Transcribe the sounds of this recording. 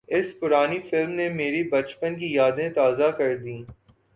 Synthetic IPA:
ɪspʊɾaːnifɪlmnemeːɾibɐt͡ʃpənk̬ijaːd̪ẽt̪aːzakɐɾd̪ĩː

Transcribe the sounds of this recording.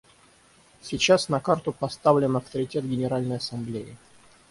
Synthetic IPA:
sʲɪt͡ɕasnɐkart̪ʊpɐst̪avlʲɪnɐft̪əɾʲɪtʲe̞t̪ɡʲɪnʲɪɾalʲnəjɐsɐmblʲeɪ̰

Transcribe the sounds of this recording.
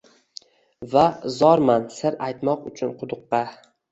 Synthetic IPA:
vazɒɾmansɪɾajt̪mɒqʊt͡ʃʰʊnqʰʊd̪ʊqːɑ

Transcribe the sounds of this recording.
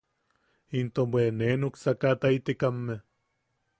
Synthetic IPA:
int̪obwenenuksakat̪ait̪ikamːe

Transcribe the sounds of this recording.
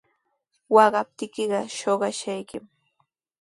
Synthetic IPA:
wɑɢɑp̚t̪ɪkɪɢɑʃoɢɑʃajkɪm

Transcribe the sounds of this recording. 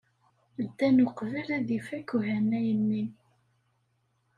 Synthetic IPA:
d̪ːænuqvəlæðifækuhænːæjənːin

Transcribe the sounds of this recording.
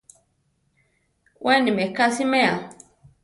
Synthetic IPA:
wʔɛnĩmɛkasimɛa

